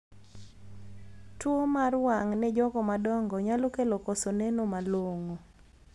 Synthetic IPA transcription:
twomarwaŋnɛd͡ʒɔkɔmadɔŋɡɔɲalokelɔkɔsɔnɛnomalwoŋo

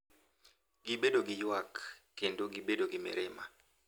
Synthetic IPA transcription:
ɡibedoɡɪjwakːendoɡibedoɡɪmɪ̰ɾɪma̰

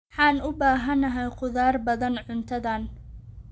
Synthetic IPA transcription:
ħɑːnʊbaːɦɐnɐɦɛjqʊðaːrbɐðɐnʕʊnt̪ʰɐðɐn

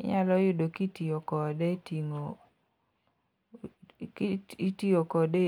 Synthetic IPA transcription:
ɪ̰ɲalɔjʊdokitiokɔdetiŋo | kitiokɔde

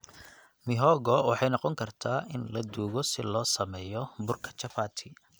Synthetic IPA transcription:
mɪɦɔɣɔwɑħɑjnɑqɔŋkʰɐrt̪ʰaːʔɪnlɐd̪uːɣɔsɪlɔːsɐmɛːjɔbʊrkʰɐ̥t͡ʃʰɐfaːt̪ʰɪ

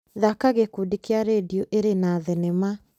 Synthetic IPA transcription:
ðakaɣekudikeaɾedioʔeɾenaðɛnɛma

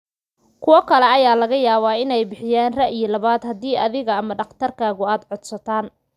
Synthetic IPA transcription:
kʰʊwɔkʰɐlɛɐjaːlɐɣɐjaːβaːɪnɛjbɪħɪjaːnrɐʔijɔlɐβaːd̪hɐd̪iːʔɐðɪɣɐɐmɐɖɐχt̪ʰɐrkʰaːɣʊaːd̪ʕɔd̪sɐt̪ʰaːn

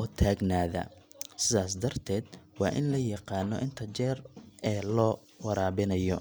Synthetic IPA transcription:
ɔt̪ʰaːɡnaːðɐ̰sɪðaːs̬d̪ɐrt̪ʰɛːd̪wɑːʔɪnlɐjɑqɑːnɔʔɪnt̪ʰɐt͡ʃɛːrɛːlɔː | wɐɾaːβɪnɐjɔ

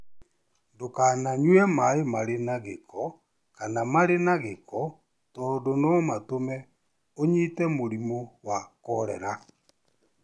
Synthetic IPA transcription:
dokanaɲwɛmaemaɾenaɣekɔ | kanamaɾenaɣekɔ | tɔːndonɔmatomɛ | oɲitɛmoɾimowakɔɾɛ̰ɾa

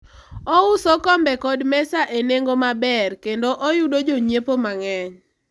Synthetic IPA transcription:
ɔʊsokɔmbɛkɔdmɛsaʔeneŋɡomabɛrkendoʔojudod͡ʒoɲepomaŋɛɲ

